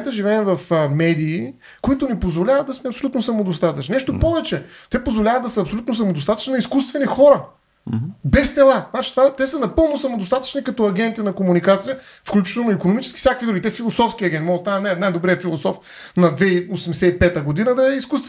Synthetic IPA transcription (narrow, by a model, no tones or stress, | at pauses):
t̪əʒivɛːmvɐfəmɛd̪iː | koit̪ʊnipozvolʲavət̪d̪ɐsmɛɐpsolʲut̪nosɐmod̪ost̪at̪əɐt͡ʃninɛʃt̪opɔvɛt͡ʃɛt̪ɛpozvolʲavəd̪d̪ɐsəɐpsolʲut̪nosɐmod̪ost̪at̪ə̥t͡ʃnnɐiskust̪vɛnixɔɾɐ | bɛst̪ɛlˠaznat͡ʃi̥t̪ovat̪ɛsənɐpɤlˠnosɐmod̪ost̪at̪ə̥t͡ʃnikɐt̪ɔɐɡʲɛnt̪inɐkomunikat̪sijəfklʲut͡ʃɛ̥t̪onikonomit͡ʃɛskʲi̥sʲjakvid̪uɡʲit̪ɛfilˠosɔfskʲiɐɡʲɛnt̪mɔst̪anənɛnajd̪obɾɛɛfilˠosɔf | nɐd̪vɛiosɛmsɛipɛt̪əɡod̪inəd̪ɐɛiskust̪ɛ